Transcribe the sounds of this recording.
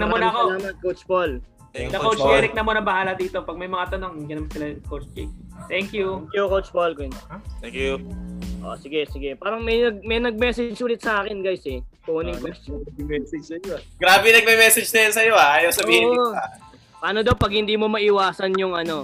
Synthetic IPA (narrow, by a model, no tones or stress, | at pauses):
nɐonɐkolaːmɐt̪̚kowt͡ʃbol | d̪ɐkowt͡ʃɛɾɪk̚nɐmonɐbɐhaːlɐd̪iːt̪o̞pɐɡ̚mɐjmɐŋat̪ɐnoŋɡɪnɐmt̪sɪlɐkowt͡ʃpḭkt̪ɛŋkjukjukowt͡ʃbolkonɛkjuʔo̰sɪɡɛsɪɡɛpaːɾɐŋmɐjnɐɡ̚mɐjnɐɡ̚mɛsɛd͡ʒsuːlɪt̪̚sɐʔaːkɛnɡajsɛkonɪŋkot͡ʃ̪ɐmɪmɛsɛd͡ʒsɐjoɡɾaːbɛnɐɡ̚mɛmɛsɛd͡ʒnɐjɐnsɐjo̞aʔaːjɐwsɐbiːhɪa | pɐaːnod̪ɐwpɐɡ̚hɪnd̪iːmomɐʔɪwaːsɐnjʊŋɐno̞